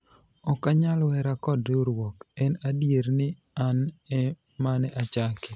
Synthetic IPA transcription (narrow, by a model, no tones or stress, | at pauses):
ɔkaɲalwɛɾakɔdɾeoɾwɔkɛnadjeɾnɪ | anɛ | manɛʔat͡ʃakɪ̥